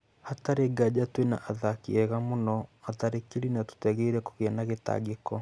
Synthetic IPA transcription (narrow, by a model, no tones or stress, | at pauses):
hataɾeɡad͡ʑatwena̰ʔaðakḭɛɣamonɔataɾekeɾinatu̥tɛɣɛiɾɛko̥ɣeanaɣeta̰ɡekɔ